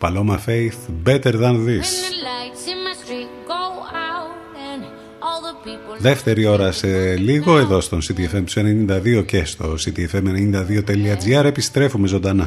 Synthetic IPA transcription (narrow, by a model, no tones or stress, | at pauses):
pɐlo̞mɐfejθbet̪eɾðɐnðislɪ̃ti | ɡ̥oʊaʊt | n | ɔlˠðəpipðeft̪e̞ɾio̞ɾɐse̞liɣo̞eðo̞st̪o̞nsit̪iefemsenenind̪ɐðio̞cest̪o̞sit̪iefemenenind̪ɐðio̞t̪eliɐd͡ziɐɾe̞pist̪ɾe̞fume̞zo̞nd̪ɐnɐ